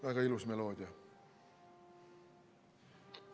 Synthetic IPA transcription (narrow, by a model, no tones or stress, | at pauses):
væɡ̥ɑilusmeloːd̪ʲiɑ